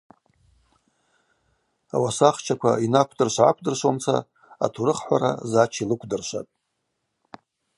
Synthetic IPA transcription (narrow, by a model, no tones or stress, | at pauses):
a̰wasaχt͡ʃʰakʷʰa̰inakʷʰdɨrʃʷʕakʷʰdɨrʃʷomt͡sʰa̰ | a̰tʰuɾɨχħʷaɾa̰zat͡ʃʰilɨkʷʰdɨrʃʷa̰tʼ